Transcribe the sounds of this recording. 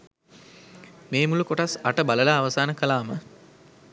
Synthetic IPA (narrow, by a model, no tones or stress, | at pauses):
meːmulukoʈasaʈəbaləlaːʋəsaːnəkəlaːmə̰